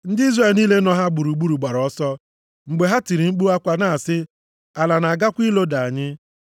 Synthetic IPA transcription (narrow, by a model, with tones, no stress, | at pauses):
n̩˦di˦zre˨lniː˦le˦nɔ˦ɦa˦ɡ͡bu˨ɾu˨ɡ͡bu˦ɾu˨ɡ͡ba˨ɾɔ˦sɔ˦ | ŋ͡m̩˨ɡ͡be˨ɦa˦ti˨ɾi˨ŋ͡m̩˦k͡pu˦a˦kʷa˦na˨a˨sɪ˦ | a˨la˨na˨a˨ɡa˦kʷi˦lo˦da˨a˨ɲɪ˦